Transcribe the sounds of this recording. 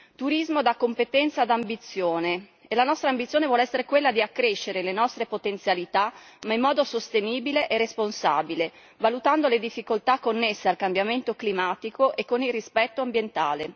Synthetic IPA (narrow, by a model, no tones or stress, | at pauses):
t̪uɾizmod̪akːompet̪ɛnt̪sad̪ambit̪sːjoːneː | lanɔst̪ɾaːmbit̪sjoːnevwɔlɛsːeɾekwelːad̪iakːɾeʃːeɾelenɔst̪ɾepot̪ent̪sjalit̪amaimːɔːd̪osost̪eniːbileʔerːesponsa̰bile | valut̪and̪oled̪ifːikolt̪akːonːesːealkambjament̪oklimaːt̪ikoʔekːonilrispɛt̪ːoambjent̪aːle